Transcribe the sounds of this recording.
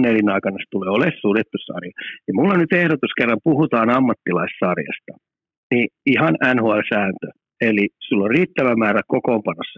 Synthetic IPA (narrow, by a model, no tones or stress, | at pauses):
nːelinɑikɑnɑst̪uleːolessuret̪ːussɑ̰rjɑnimulːonnyt̪ehɾot̪uskerːɑmpuhut̪ɑːnɑmːɑt̪ːilɑissɑrjɑ̰st̪ɑ̥ | niihɑnænhoɑlsæːnt̪ø | elisulːorriːt̪ːæʋæmæːɾækokoːmpɑnːosːɑ